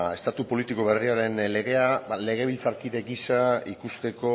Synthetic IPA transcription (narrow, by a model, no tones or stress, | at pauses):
e̞st̪at̪upo̞lit̪iko̞βe̞riaɾe̞nle̞ɣ̞e̞aale̞ɣ̞e̞β̞ilt͡saɾkiðe̞ɡisaikust̪e̞ko̞